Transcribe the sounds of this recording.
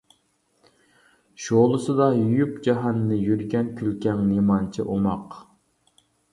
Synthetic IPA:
ʃolˠɨsɨd̪ɑjyjypd͡ʒɑɦɑnːɨjyɾɡʲɛnkʲʰylkʲɛŋnimɑnt͡ʃʰḭʔomɑq

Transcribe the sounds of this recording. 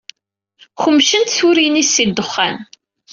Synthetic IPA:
xəmːʃənt̪θuɾinisːid̪əχːæ̰n

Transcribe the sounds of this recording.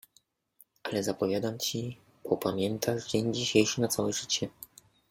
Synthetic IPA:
ʔalɛzapɔvʲjad̪amt͡ɕi | pʰɔpamʲjɛnt̪ʰaʐd͡ʑeɲd͡ʑiɕejʂɘnat̪sawɛʐɘt͡ɕɛ

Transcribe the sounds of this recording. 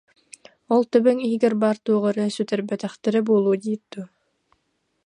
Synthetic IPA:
ɔlˠt̪œbyŋiːɡɛɾbaːɾt̪uːʁaɾɯnsyt̪ɛɾbɛt̪ɛχt̪ɛɾɛbuːlˠuːd̪iːt̪̚d̪̥u

